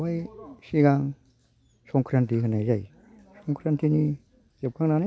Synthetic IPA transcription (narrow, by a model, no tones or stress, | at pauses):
wajsiɡaŋ | sɔŋkʰɾant̪ʰiɦɯnajzaj | sɔŋkʰɾant̪ʰini | d͡ʒep̚kʰaŋnana